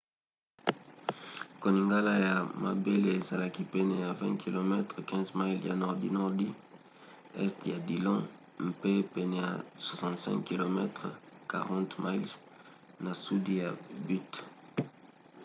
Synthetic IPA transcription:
ko˨ni˨ŋɡa˦la˦ja˨ma̰˨be˦le˦e˨za˨la˦ki˦pɛ˦nɛ˦˨ja˨vɛ̃˦kʰi˨lo˨mɛ˦tχə˨kɛ̃˦zma˦ilja̰˨nɔ˨ʁdḭ˦nɔ˦ʁdi˦ | ɛ̰˦stja˨di˨lɑ̃˦ | m̩pe˦pɛ˨nɛ˨ja̰˨swa˨sɑ̃˨ntsɛ̰̃˦ŋkki˨lo˨mɛ˦tʁka̰˨ʁɑ̃˦ntma˦l | na˨su˦di˦ja˨by˦t

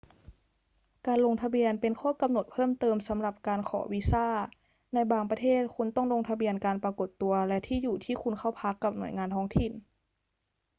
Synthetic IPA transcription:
kaː˨˧nlo˧ŋt̪ʰa˧bi˧ənpe˨nkʰɔː˥˩ka˧mno˨˩t̪̚pʰɤː˥˨mt̪ɤː˧msa˨˧˦mla˧˩p̚kaː˧nkʰɔ̰ː˧˩˦wi˦˧saː˥˩ | na˧jbaː˧ŋpa˧t̪ʰeː˥˩t̪̚kʰu˧˥nt̪ɔ˥˩ŋlo˧ŋt̪ʰa˧bi˧ənkaː˨˧npa˧ko˨˩t̪ːu˨˧ɐlɛ˧˥t̪ʰiː˥˩juː˨˩t̪ʰiː˥˩kʰu˧nkʰa˧˥˩wpʰa˦˥kːa˧˩p̚nu˨˩˦jŋaː˧nt̪ʰɔː˧˥ŋt̪ʰi˨˩n

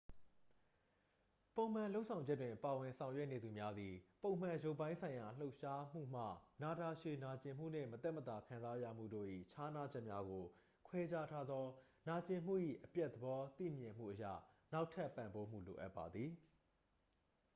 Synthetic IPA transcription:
põ˨ʊ̃m̥ã˨lo˦ʔsʰã˨ʊ̃ɲd͡ʑɛ˦twɪ̃˨pa˨wɪ̃˨nsʰã˨ʊ̃jwɛ˦ʔne˨d̪u˨mja˦d̪i˨põ˨ʊ̃m̥ã˨jo˦ʊpːã˦ɪ̃nsʰã˨ɪ̃ja˨l̥o˦ʊʔʃa˦m̥ṵ˦˨m̥ä̰˦˨na˨ta˨ʃe˨na˨t͡ɕɪ̃˨m̥ṵ˦˨n̥ɪ̰̃˦˨mət̪ɛ˦ʔmət̪a˨kʰã˨nza˦jä̰˦˨m̥ṵ˦˨do̰˦˨ʔḭ˦˨t͡ɕʰa˦na˦d͡ʑɛ˦ʔmja˦ɡo˨ | kʰwɛ˦d͡ʑa˦tʰa˦d̪ðɔ˦ | na˨t͡ɕɪ̃˨m̥ṵ˦˨ʔḭ˦˨ʔəpjɛ˦ʔt̪əbɔ˦t̪ḭ˦˨mjɪ̃˨m̥ṵ˦˨ʔəjä̰˦˨na˦ʊʔtʰɛ˦pːã˨mbo˦m̥ṵ˦˨lo̰˨ʔa˦pːa˨d̪ði˨

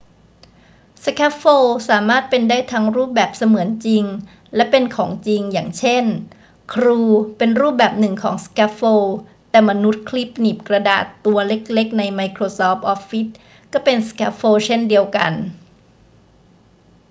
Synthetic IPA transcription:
skʰɛː˦˥p̚foː˧saː˩˦maː˥˩t̪̚pe˧ndaː˥˩jt̪ʰaː˧ŋɾuː˥˩p̚bɛː˨˩p̚sa˧mɯ˩˦ənt͡ɕi˧ŋ | lɛ˦˥pe˧nkʰɔː˩˦ŋt͡ɕi˧ŋja̰ː˨˩ŋt͡ɕʰe˥˩n | kʰɾuː˧pe˧nɾuː˥˩p̚bɛː˨˩p̚nɯ˨˩ŋkʰɔ̰ː˩˦ŋskʰɛː˦˥pfoː˧t̪ɛː˨˩ma˧nu˦˥t̪̚kʰli˦˥p̚niː˨˩p̚kɾa˧da̰ː˨˩t̪ːu˧ɐle˦˥k̚le˦˥k̚na˧jma˧jkʰɾoː˧sɔː˦˥p̚ʔɔ˦˥p̚fi˦˥t̪̚ | kɔː˥˩pe˧nskɛ˦˥p̚foː˧t͡ɕʰe˥˩ndi˧əwka̰˧n

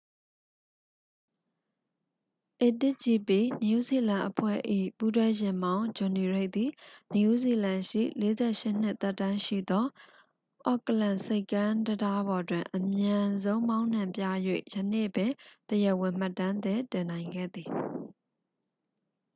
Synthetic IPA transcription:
ʔe˨tɪ˦ʔt͡ɕi˨pi˨ni˨u˦˨zi˨lã˨ʔəpʰwɛ̰˦˨ʔḭ˦˨pu˦twɛ˦jɪ̃˨mbã˦ʊ̃d͡ʑʊ̃˨ni˨ɹe˦˨ʔt̪i˨ni˨u˦˨zi˨lã˨ʃḭ˦˨le˦zɛ˦ʔʃɪ˦˨n̥ɪ˦ʔt̪ɛ˦˨tːã˦ʃḭ˦˨d̪ɔ˦ | ʔɔ̰˦˨kəlã˨nse˦ɪkːã˦dəda˦bɔ˨dwɪ̃˨ʔəmjã˨zõ˦ʊ̃mã˦ʊ̃n̥ã˨mpja̰˦˨jwḛ˦˨jə˨nḛ˦˨bɪ̃˨təjɛ˨wɪ̃˨m̥a˦tːã˦nd̪ɛ˦tɪ̃˨nã˨ɪ̃ŋɡɛ̰˦˨d̪i˨

